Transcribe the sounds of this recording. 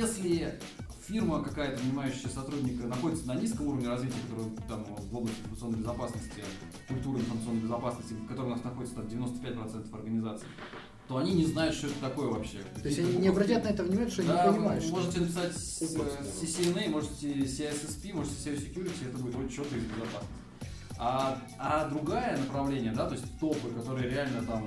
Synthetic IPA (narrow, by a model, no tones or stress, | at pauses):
esʲlʲɪ | fʲirməkɐkajət̪əvnʲɪmajʉɕːɪjəsɐt̪ɾudʲnʲɪkənɐxo̞dʲɪt̪sənɐnʲiskəmuɾəvnʲɪrɐzvʲitʲɪjəkɐt̪o̞ɾɨjət̪amvo̞blˠəsʲtʲɪnfəməsɨo̞nːəjbʲɪzɐpasnəsʲtʲɪ | kʊlʲpt̪uɾɨɪnfɾmət̪ɨo̞nːəjbʲɪzɐpasnəsʲtʲɪkɐt̪oɾɨjʊnasnɐxo̞dʲɪt̪sənadʲvʲɪnot̪ə̥pʲæt̚ʲpɾɐt̪sɛnt̪ə̥fɐ̰rɡənʲɪzat̪sɨɪ | t̪o̞ɐnʲinʲɪznajʊt̪ʂt̪o̞ɛt̪ə̥t̪ɐko̞jəvɐpɕːe̞̰oɪsʲtʲɐninʲɪɐbɾɐtʲat̪nɐɛt̪əvnʲɪmanʲt̪ʂt̪od̪apənʲɪmajɪmo̞ʐɨtʲɪnəpʲɪ̥satʲ | sʲɪsʲɪnɛmo̞ʐɨtʲɪsʲɪɛsɛspʲimo̞ʐɨtʲɪ̥sʲesʲɪkʲjuɾʲɪtʲɪɛt̪əbudɪt̪olʲt͡ɕot̪k̪əɪzbʲɪzɐpasnəsʲtʲ | a | ad̪ɾʊɡajənəpɾɐvlʲenʲɪjəd̪at̪o̞ɪsʲtʲt̪o̞pɨkɐt̪o̞ɾɨjəɾʲɪalʲnət̪am